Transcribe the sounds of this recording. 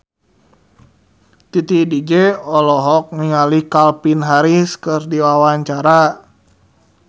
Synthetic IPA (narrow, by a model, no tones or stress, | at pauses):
t̪it̪idid͡ʒɛɔlɔɦɔk̚ŋiŋalihkalpinɦaɾiskɨrdiwawaɲt͡ʃaɾa